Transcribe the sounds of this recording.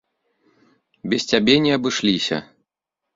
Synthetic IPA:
bʲɛst͡sʲabʲɛnʲɛɐbɨʂlʲisʲɐ̰

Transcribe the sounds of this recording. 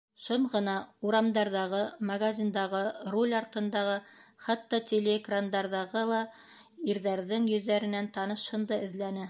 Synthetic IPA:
ʃoɴʁɤ̆nɑuɾɑmd̪ɑɾðɑʁɤmɐɡazʲind̪ɑʁɤrolʲɑɾt̪ɤ̆nd̪ɑʁɤχɑt̪ːɑtʲelʲeɡrand̪ɑɾðɑʁɤlˠɑ | iɾðæɾðɘŋjɵ̆ðːæɾɘ̆nænt̪ɑnɤ̆ʃhɤ̆nd̪ɤɘ̆ðlænɘ

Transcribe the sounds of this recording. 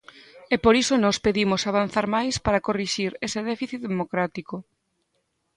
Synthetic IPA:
epoɾisonɔspeðimosaβ̞an̟θaɾmajspaɾakoriʃiɾeseðɛfiθiðemokɾat̪iko

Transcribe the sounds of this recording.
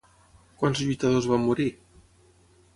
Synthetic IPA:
kwansʎujt̪aðozβamːuɾi

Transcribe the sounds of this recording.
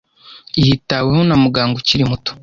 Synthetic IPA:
ijitawehonamuɡaːŋɡociɾimuto̥

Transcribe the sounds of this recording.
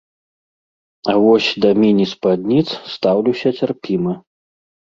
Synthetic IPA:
avɔsʲd̪ɐmʲinʲispad̪ʲnʲit̪sst̪awlʲiwsʲɐt͡sʲarpʲimɨ

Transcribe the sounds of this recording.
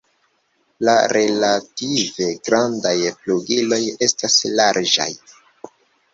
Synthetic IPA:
laɾe̞lative̞ɡɾandajpluɡilo̞je̞staslaɾd͡ʒa̰j

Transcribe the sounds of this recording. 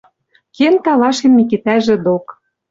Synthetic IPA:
kent̪ɑlɑʃĕmːik̬it̪æʒĕd̪ok

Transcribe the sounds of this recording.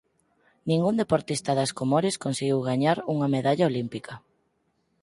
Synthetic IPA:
nĩŋɡund̪epoɾt̪ist̪ɐðɐskomoɾeskonseɣiwɣaɲaɾuŋɐmeðaʎaolimpikʰɐ

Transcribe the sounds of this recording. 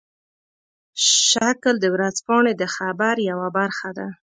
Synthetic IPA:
ʃakld̪əwɾazpɑɳed̪əxabaɾjawabaɾxad̪a

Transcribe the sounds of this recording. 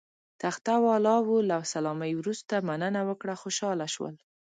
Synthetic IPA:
t̪axt̪awɑlɑwulawsalɑmajwɾust̪amanənawəkɽaxoʃɑlaʃwə̰l

